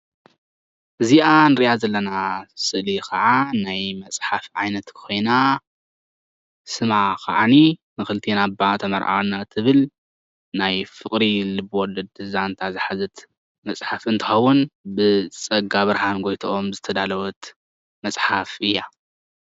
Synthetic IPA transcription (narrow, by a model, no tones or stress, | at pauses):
ʔɨziʔanɨɾiʔjazɐlːɐnasɨlikʰɐʕanajmɐsʼħafʕajnɐt̪kʰɨ̥ko̞jna | sɨmakʰɐ̰ʕaninɨxɨlt̪ʰenabat̪ʰɐmɐɾʔa̰wnat̪ʰɨβɨl | najfɨkʼɾilɨbwɔlːɐd̪ɨzant̪ʰazɨħazɨt̪ | mɐsʼħafɨnt̪ʰɨxɐwːʊnbɨt͡sʼɐɡaβɨɾɦanɡo̞jt̪ʰoomzɨt̪ʰɐd̪alɐwɔt̪ | mɐsʼħafʔɨjːa